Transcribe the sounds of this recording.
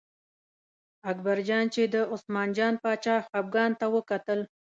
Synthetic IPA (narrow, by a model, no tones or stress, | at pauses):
akbaɾd͡ʒɑnt͡ʃed̪əʊsmɑnd͡ʒɑnpɑt͡ʃɑxab̚ɡɑnt̪awəkat̪əl